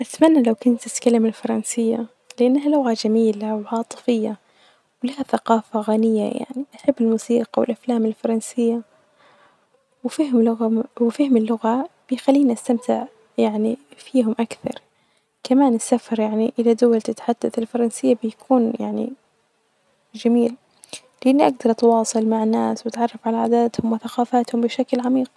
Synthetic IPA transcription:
ʔat̪manːalawkʊnt̪ːɪt̪kalamalfɑɾˤɑnsɪjːa̰ | lɪʔanːɦalʊɣad͡ʒamiːlawʕɑːt̪ˤɨ̥fɪjːa | wlahaθaqɑːfaɣanɪjːa̰ja̰ʕniʔaħabːɪlmuːsiːqɑwɪ̰lʔaflaːmɪlfɑɾˤɑnsɪjːa | wfiːhʊmlʊɣawɪfiːhʊmɪlːʊɣab̥ɪjxalːiːnʔast̪amt̪ʰɪʕ | jaʕnifiːɦʊmʔakθɑ̰ɾˤ | kamaːnɪsːafɑɾˤjaʕniʔɪlad̪ʊwalt̪ɪt̪ħad̪̥ːaθɪlfɑɾˤɑnsɪjːabɪjakʰuːnja̰ʕnḭ | d͡ʒamiːl | lɪʔanːiʔaɡ̚d̪ɑɾˤʔt̪wɑːsˤɨlmaʕanːaːswat̪ʕɑrˤːɑfʕalaʕaːd̪aːt̪hʊmwɪθaqɑːfaːt̪hʊmbɪʃaklʕamiːq

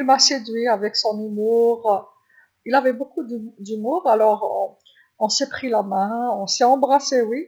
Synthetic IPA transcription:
ilmased̪ɥiavɛksɔ̃nymuʁ | ilavɛbokud̪md̪ymuːʁalɔʁ | ɔ̃sɛpχilamɛ̃ɔ̃sɛɑ̃bʁasewi

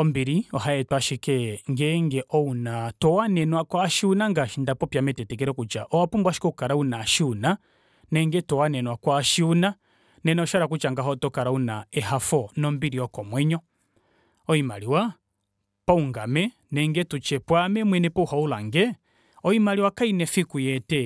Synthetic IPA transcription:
ɔmbiɾiɔɦaɛtwaʃikɛŋɡɛŋɡɛʔɔunatɔwanɛnwakwaʃiunaŋɡaʃindapɔpjamɛtɛtɛk̬ɛɾɛkut͡ʃa̰ʔɔwapumbwaʃi̥kɔukaɾaunaʃiuna | nɛŋɡɛtɔwanɛnwakwaʃiuna | nɛnɛɔʃaɾak̬ut͡ʃaŋɡaɦɔtɔkaɾaunaɛhafɔnɔmbiɾiɔkɔmwɛɲɔ | ɔimaliwa | pauŋɡamɛ | nɛŋɡɛtut͡ʃɛpwamɛmwɛnɛpɔuhaulaŋɡɛ | ɔimaliwakainɛfikujɛtɛ

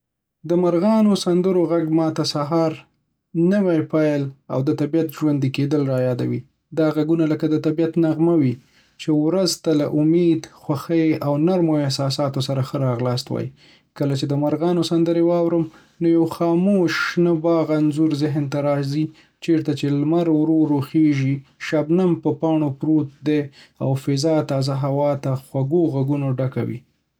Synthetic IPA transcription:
d̪əmaɾɣɑnosand̪əɾoɣaɡmɑt̪asaɦɑɾ | nəwajpajla̰wd̪ət̪abijat̪ʒwand̪iked̪əlɾɑjɑd̪a̰wi | d̪ɑɣaɡunaləkad̪ət̪abijat̪naɣmawi | t͡ʃewɾazt̪alaʔʊmed̪xwaxəjawnaɾmoɪhsɑs̬ɑt̪osaɾaxəɾɑɣlɑst̪wɑ̰jḭ | kəlat͡ʃed̪əmaɾɣɑnosand̪əɾewɑwɾəm | nojawxɑmoʃnəbɑɣanzuɾzɪɦnt̪aɾɑzi | t͡ʃeɾt̪at͡ʃelmaɾwɾoɾoxeʒiʃabnampəpɑɳopɾot̪̚d̪ea̰wfɪzɑt̪ɑzaɦawɑt̪axwaɡoɣaɡunoɖaka̰wḭ

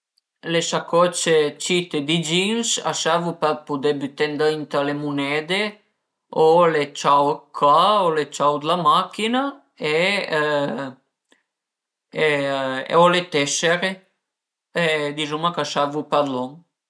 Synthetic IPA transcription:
lesakɔt͡ʃet͡ʃit̪ed̪id͡ʒinsa̰savupɛpud̪ebyt̪ɛnd̪aint̪alemunɛd̪e | olet͡ʃawkʰaolet͡ʃawd̪lamakina | e | eḛolet̪ɛseɾe | ed̪izumakaʃavupalɔŋ

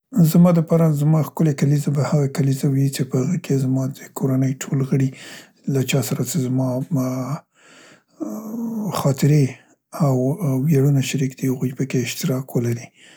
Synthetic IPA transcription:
zamɑd̪əpɑɾazmɑxkəlekalizabahaɣakalizawit͡ʃepəhaɣəkʰezmɑd̪əkʰoɾanəjʈʰolɣəɽi | lat͡ʃɑsaɾat͡sezmɑ | xɑt̪ɪɾe | awwjaɽunaʃaɾikd̪ihaɣojpəkeɪʃt̪ɪɾɑkwəlaɾi

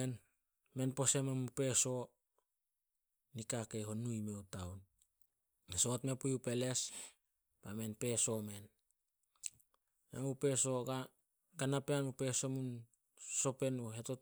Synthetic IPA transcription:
en | me̞npo̞sememupe̞so̞ | nikakeɦonujmewtawn | esotme̞pujupe̞le̞s | bame̞npe̞so̞me̞n | emupe̞so̞ɡa | ɡanapeanupe̞so̞mun | so̞pe̞nuɦe̞to

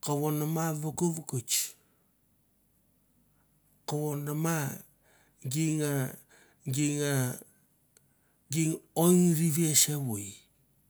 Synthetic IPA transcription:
kawonamaβakuβkut͡ʃ | kawonama | ɡiŋa | ɡiŋa | ɡiŋoŋɾiβesewuj

